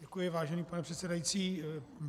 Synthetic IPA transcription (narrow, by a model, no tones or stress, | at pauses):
ɛkujɪvaːʒɛniːpanɛpr̝̥ɛt̪sɛdajit͡siː